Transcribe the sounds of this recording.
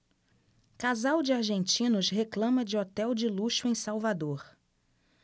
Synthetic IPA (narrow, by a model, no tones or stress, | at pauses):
kazawd͡ʒɪaɾʒẽnt͡ʃĩnʊsɦeklɐ̃mɐd͡ʒɪɔt̪ɛwd͡ʒɪluʃʊẽj̃sawvad̪oɾ